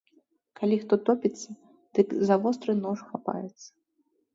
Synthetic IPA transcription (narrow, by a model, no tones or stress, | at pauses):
kalʲixt̪ɔt̪ɔpʲit̪sːɐ | d̪̥ɨkzavɔst̪ɾɨnɔʂxapa̰jɛt̪sːɐ̥